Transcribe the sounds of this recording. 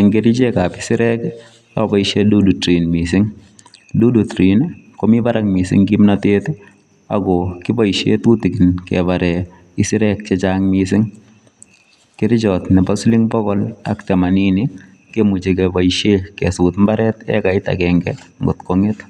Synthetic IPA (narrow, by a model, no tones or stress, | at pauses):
ɛŋɡeɾit͡ʃekapɪ̥sɪɾɛk | abaiʃedudutɾinmisɪŋ | dudutɾinkɔmibaɾaŋmisɪ̰ŋkimnatet | a̰ɡɔkɪbaiʃḛtutikinkɛ̰baɾɛ | ɪsɪɾɛk̚t͡ʃet͡ʃaŋmis̬ɪŋ | kɪɾɪt͡ʃɔtnɛbasulɪŋbɔkɔla̰ktɛmaninɪ | kemut͡ʃekɛbaiʃekɛsutmbaɾɛtɛ̰kaɪta̰kɛŋɡɛ̰ŋɡʊtkɔŋet